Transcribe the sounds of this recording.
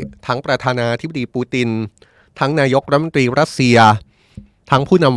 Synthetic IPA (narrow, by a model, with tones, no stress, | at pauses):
t̪ʰa˦˥ŋpɾa˧t̪ʰaː˧naː˧t̪ʰi˦˥b̚a˨diː˧puː˧t̪i˧n | t̪ʰa˦˥ŋnaː˧jo˦˥k̚ɾa˦t̪̚mo˧nt̪ɾiː˧ɾa˦˥t̪̚si˧ɐ | t̪ʰa˦˥ŋpʰuː˥˩na˧m